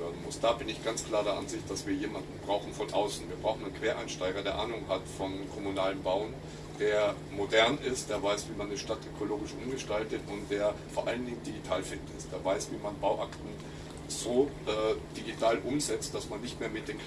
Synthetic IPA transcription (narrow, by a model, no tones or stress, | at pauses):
øɐdn̩mʊsd̥aːbɪnɪçɡ̥ant͡skl̥aːɐdeːɐʔa̰nzɪçt̚d̥asv̥iːɐjeːmandn̩bʁaʊxn̩fɔnʔa̰ʊsn̩viːɐbʁaʊxn̩ankv̥eːɐʔa̰ɪnʃtaɪɡɐdeːɐʔa̰ːnʊŋhatfɔnkʰɔmunaːlənbaʊən | d̥eːɐ | modɛɐnɪstd̥eːɐvaɪsv̥iːmanːəʃtatʔøkʰoloːɡɪʃʔʊmɡəʃtaltətʊntd̥eːɐfoːɐʔaləndɪŋəndiɡitʰaːlfɪndn̩ɪstd̥eːɐvaɪsv̥iːmanbaʊʔaktn̩ | z̥oːʔɛːd̥iɡitʰaːlʔʊmzɛt͡st̚d̥asmanːɪçtmeːɐmɪt̚d̥eːnk